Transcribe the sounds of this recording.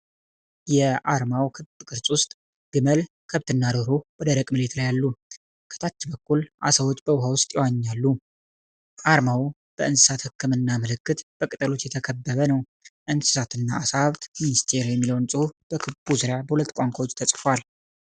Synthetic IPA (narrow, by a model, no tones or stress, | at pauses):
jɛʔaɾmawkʰɨb̥kʼɨɾsʼwʊst̪ʼ | ɡ̥ɨməl | kʰəβt̪ʰɨnːad̪oɾowɔd̪əɾəkʼmɨle̞t̪lajalːu | kʰə̥t̪ʰat͡ʃːɪbəkːulʔa̰səwot͡ʃːbəwʊɦawʊst̪ʼjɛwaɲːalːu | ʔaɾmaw | b̥əɨnsɨsat̪hɨkːɨmɨnːaməlɨkːɨt̪b̥əkʼɨt̪ʼəlo̞t̪jɛt̪ʰəkʰəbːəβənəw | ʔɨnsɨ̥sat̪ɨnːaːsaaβt̪minist̪ʰe̞ɾjɛmːiləwnt͡sʼɨhub̥əkʰɨbuzɨɾjabəhulət̪ːkʷʼaŋkʷawot͡ʃːt̪ʰəsʼfal